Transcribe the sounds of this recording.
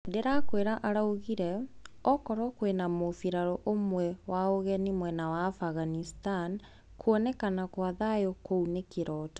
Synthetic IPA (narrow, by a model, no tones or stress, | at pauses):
deɾakweɾaʔaɾauɣiɾɛɔkɔɾɔkwenamofiɾaɾɔʔomwɛwaoɣɛnimwɛnawaːfaɣanistan | kuɔnɛkanakwaðajokounekeɾɔːtḁ